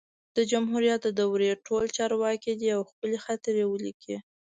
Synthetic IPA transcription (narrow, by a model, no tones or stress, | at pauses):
d̪̥əd͡ʒamɦuɾijat̪d̪awɾeʈolt͡ʃɑɾwɑkid̪iawxpəlexat̪ɾewəlikʰi